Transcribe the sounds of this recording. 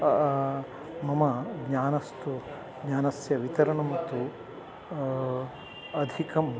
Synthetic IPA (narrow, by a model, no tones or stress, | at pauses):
mɐmɐɡɲaːnɐst̪u | ɡɲaːnɐsjɐʋit̪ɐɾɐɳɐmɐt̪ːu | ɐd̪ʱikɐm